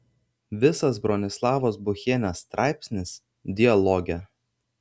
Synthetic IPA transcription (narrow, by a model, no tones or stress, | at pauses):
ʋʲɪsɐsbɾɔnʲɪslˠɑːʋoːsbʊxʲeːnʲɛsːt̪ɾʔɑˑɪpʲsʲnʲɪs | d̪ʲɪɐlˠɔɡʲɛ